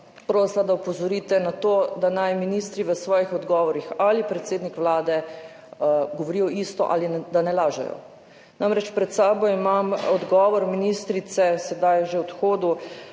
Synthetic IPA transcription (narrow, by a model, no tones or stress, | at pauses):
pɾoːslad̪aupɔzɔɾiːt̪ɛnat̪oːd̪anajminist̪ɾiʋəsʋɔːjixɔd̪ɡɔːʋɔɾixalipɾɛt̪seːd̪nikʋlaːd̪ɛ | ɡɔʋɔɾijɔist̪ɔ̰ʔa̰lid̪anɛlaːʒɛ̰jɔ̰ | namɾɛt͡ʃpɾɛt̪saːbɔimamɔd̪ɡɔːʋɔɾminist̪ɾit̪sɛsɛd̪ajʒewt̪xoːd̪u